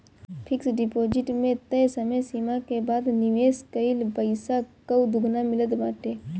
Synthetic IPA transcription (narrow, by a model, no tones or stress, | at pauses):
pʰɪksɖɪpoːd͡ʒɪʈmẽt̪əsəməsiːmakebaːd̪nɪʋeːskəɪlbəɪsakəwd̪ʊɡnamɪləd̪baːʈeː